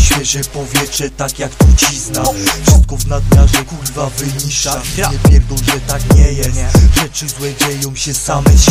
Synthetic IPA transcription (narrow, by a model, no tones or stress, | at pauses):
ɕfʲɛʐɛpɔvʲjɛtʂɛt̪akjakt̪ut͡ɕisnafʂɨst̪̚kɔvnad̪ɲaʐɛkulʲivavɘɲiʂaaɲɛpʲjɛɾd̪ɔ̃wʐɛt̪akɲɛjɛsʐɛt͡ʂɘzwɛd͡ʑɛjɔ̃w̃ɕɛsamɛ